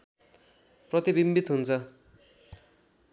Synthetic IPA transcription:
prʌt̪ibimbit̪ɦunt͡sʰʌ

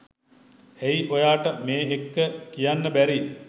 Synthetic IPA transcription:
ejʔojaːʈəmeːɦekːəkijanːəbæɾi

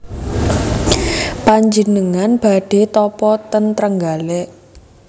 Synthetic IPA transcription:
paɲd͡ʒənəŋanb̥a̤ɖ̥e̤t̪ɔpɔt̪ənt̪ɾəŋɡaleʔ

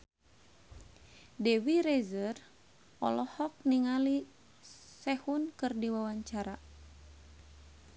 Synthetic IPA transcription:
dɛwiɾɛzər | ɔ̰lɔhɔk̚niŋali | sɛhunkɨrdiwawaɲt͡ʃaɾa

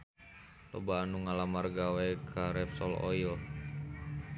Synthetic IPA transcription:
lɔ̰baːnuŋalamarɡawɛkʰaɾɛfsɔlɔ̰il

